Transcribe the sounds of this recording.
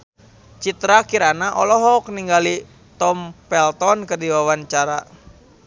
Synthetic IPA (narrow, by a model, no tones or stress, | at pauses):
t͡ʃit̪ɾakiɾanaʔɔlɔɦɔkniŋɡali | t̪ɔmpɛlt̪ɔnkɨrdiwawant͡ʃaɾa